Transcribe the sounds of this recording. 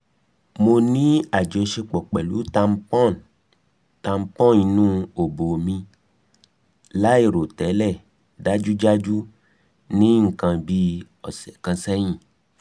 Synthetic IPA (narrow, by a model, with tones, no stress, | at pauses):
mo˧nĩ˦a˨d͡ʒe˨˦ʃe˧k͡pɔ˨k͡pɛ˨lu˨˦tã˧m˦pɔ˦˨n | tã˧m˦pɔ̃˦˨i˧nũ˦o˨bo˨mĩ˧ | la˦e˦˨ɾo˨tɛ˨˦lɛ˦˨ | da˦d͡ʒu˦d͡ʒa˦d͡ʒu˦ | nĩ˦ŋ̩˦˨kã˧bi˧˦ | ɔ˨sɛ˨kã˧sɛ˦j̃ĩ˦˨